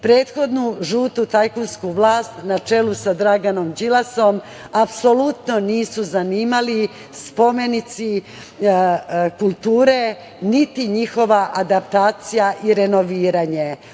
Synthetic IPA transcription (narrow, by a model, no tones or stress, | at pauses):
pɾe̞ːt̪xo̞d̪nuʒuːt̪ut̪ajkunskuʋlˠaːst̪nat͡ʃe̞lusad̪ɾaɡano̞md͡ʒilaso̞m | apso̞lut̪no̞niːsuzaniːmali | spo̞me̞nit̪si | kulˠt̪uːɾe | nit̪iɲixo̞ʋaʔad̪apt̪aːt̪sijaʔiɾe̞no̞ʋiːɾaɲe̞